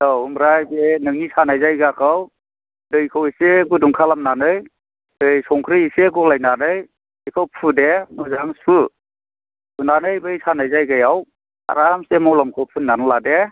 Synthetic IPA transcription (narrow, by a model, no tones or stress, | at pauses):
ɔhumɾajzenɯŋnisanajzajɡakʰaw | dɯjkʰɯwiseɡuduŋkʰalamnanɯj | dɯjsɔŋkʰɾiiseɡɔlajnanɯj | ikʰɯwpʰɯdemɯzaŋsu | unanɯjbɯjsanajzajɡajaw | a̰ɾamsemɔwlamkʰɯwpʰɯnːanlade